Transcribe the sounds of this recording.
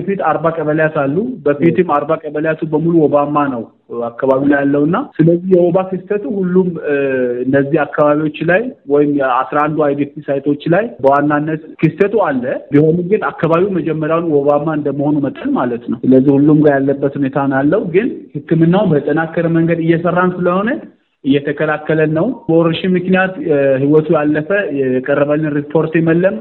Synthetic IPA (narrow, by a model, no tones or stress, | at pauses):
əfit̪aɾbakʼəβəljat̪alːubəfit̪ʰɨmːaɾbakʼəbəljat̪ʰubəmuluwɔbamːanəw | akːaβaβiulajalːəwɨnːasɨləzːihjɛwoβakɨst̪ʰət̪ʰuhulːumɨnːəzːihakːaβaβiwo̞t͡ʃːlajwɔjɪmasɾaand̪uajbet̪ʰisajt̪ʰo̞t͡ʃːlajbəwanːanːət̪kʰɨst̪ʰət̪ʰualːəbiho̞numɡɨnakːaβaβiwuməd͡ʒɛmːəɾjawnwoβamaɨnd̪əmːəho̞numət̪ʼənmalət̪nəwsɨləzːihulːumɡajalːəbːət̪hune̞t̪ʰanjalːəwuɡɨnhɨkːɨmɨnːawunbət̪ʼːənakːəɾəməŋɡəd̪ɨjːɛsərːansɨləho̞nə | ʔɨjːɛt̪ʰəkʰəlakːələnːəwbəoɾəʃimːɨknijat̪ɦiwɔt̪ʰujalːəfəjɛɛkʼərːəβəlːɨnɾipʰo̞ɾt̪jɛməlːəm